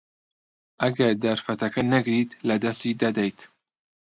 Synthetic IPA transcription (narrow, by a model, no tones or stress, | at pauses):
ʔɐɡɐɾd̪ɐɾfɐt̪ɐkɐnɐɡɾit̪lɐd̪ɐst̪iːd̪ɐd̪ɛjt̪